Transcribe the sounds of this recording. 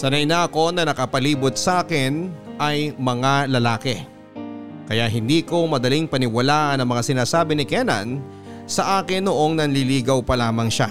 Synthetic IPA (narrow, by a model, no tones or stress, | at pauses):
sɐnɐjnɐɐko̞nɐnɐkɐpɐliːbot̪̚sɐʔaːkɪnʔɐjmɐŋalɐlaːkɛ | kɐjaɦɪnd̪iːko̞mɐd̪ɐliŋpɐnɪwɐlaːʔɐnɐŋmɐŋasɪnaːsaːbɪnɪkɛnɐ̰n | sɐʔaːkɪnːoʔo̞ŋnɐnliliːɡɐwpɐlaːmɐŋʃa